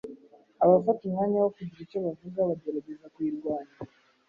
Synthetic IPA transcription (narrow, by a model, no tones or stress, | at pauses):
aβavatiŋaɲawakuɟiɾit͡ʃaβavuzaβaɟeɾaɟezakwiɾwaːna